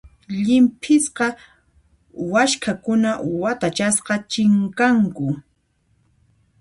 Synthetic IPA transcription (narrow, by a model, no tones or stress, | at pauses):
ʎɪmpʰɪsqɑ | waʃkʰakʊnawat̪at͡ʃasqɑt͡ʃɪŋkaŋkʊ